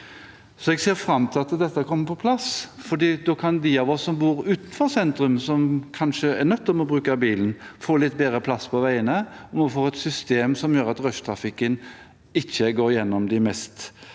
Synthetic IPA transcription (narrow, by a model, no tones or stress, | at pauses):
sɔɛɡseːɾfɾɑmːt̪ʰɪɑt̪d̪ɛt̪ːəkʰɔmːəɾpʰɔpʰlɑsfɔd̪iːd̪oːkʰɑnd̪ɪɑʋɔsːɔmbuːɾʉːt̪nfɔɾsɛnt̪ɾʉmsɔmkʰɑnʃəæɾnœt̪ːɔmɔbɾʉːkəbiːln̩foːlɪt̪ːbeːd̪ɾəpʰlɑspʰɔʋæɪənəɔmɔfoːɛt̪sʏst̪eːmsɔmjøːɾɑt̪ɾœʂt̪ʰɾɑfɪkːən | ɪçːəɡoːɾjɛnːɔmd̪ɪmɛst̪